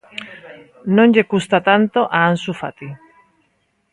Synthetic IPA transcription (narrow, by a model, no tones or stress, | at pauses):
nõŋʎekust̪at̪ant̪oʔaansufa̰t̪i